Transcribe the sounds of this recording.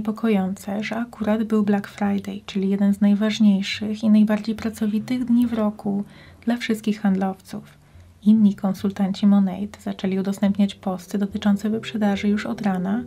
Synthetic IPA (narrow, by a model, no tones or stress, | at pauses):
pɔkʰɔjɔnt̪sɛʐɛakuɾad̪bɘwblakfɾajd̪ɛjt͡ʂɘlʲijɛd̪ɛnznajvaʐɲejʂɘxinajbaɾd͡ʑejpɾat̪sɔvʲit̪ɘɣd̪ɲivɾɔku | d̪̥lafʂɘst̪kʲixxand̪lɔft̪suf | inːikɔnsult̪aɲt͡ɕimɔnɛjt̪z̥at͡ʂɛlʲiud̪ɔst̪ɛmpɲat͡ɕpɔst̪ɘd̪ɔt̪ɘt͡ʂɔnt̪sɛvɛpʂɛd̪aʐɘjuʂɔd̪ɾana